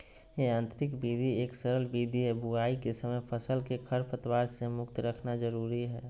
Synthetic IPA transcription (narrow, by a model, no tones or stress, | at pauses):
jeãːnt̪ɾɪkbiːd̪ʱieːksəɾəlbiːd̪ʱiɦɛbuaːikesəməjpʰəsəlkekʰəɾpʰət̪ʋaːɾsemʊk̚t̪ɾəkʰnad͡ʒəɾuːɾiɦɛː